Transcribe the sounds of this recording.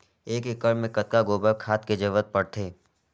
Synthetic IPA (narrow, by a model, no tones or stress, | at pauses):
eːkɪkːəɽmẽkət̪̚kaɡoːbəkʰaːt̪ked͡ʒəʋət̪̚pəɽt̪ʰeː